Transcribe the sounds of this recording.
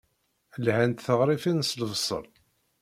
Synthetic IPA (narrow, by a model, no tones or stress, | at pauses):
lhænt̪θəʁɾˤifinsləvsˤə̰l